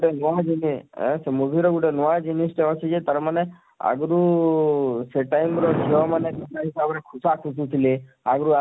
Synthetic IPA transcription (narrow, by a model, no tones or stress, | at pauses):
ɡuʈenɔʋad͡ʒinḭ̃semubʱiɾɔɡuʈenɔʋad͡ʒinisʈeɔsed͡ʒet̪əɾmane | a̰ɡɾu | seʈaimɾɔd͡ʒʰeɔmanet̪iaɦisabnekʰusakʰusut̪ʰile | aɡɾua